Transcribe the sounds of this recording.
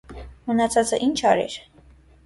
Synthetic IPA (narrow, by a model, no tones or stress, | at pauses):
mənɑt͡sʰɑt͡səʔint͡ʃʰɑɾɛ̰ɾ